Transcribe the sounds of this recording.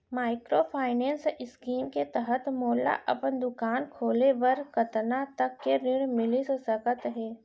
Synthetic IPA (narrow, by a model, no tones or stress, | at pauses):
maːɪkɾopʰaːɪnɛ̃ːnsɪskiːmket̪əɦət̪moːla̰ʔɐpənd̪ʊkaːnkʰoːlebɐɾkət̪nat̪ɐkːeɾɪɽmɪlissəkət̪ɦɛː